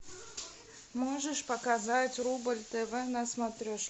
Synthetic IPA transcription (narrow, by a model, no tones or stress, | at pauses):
moʐəʂpəkazatʲrubəlʲt̪ɛvɛnɐsmɐt̪ɾʲoʂ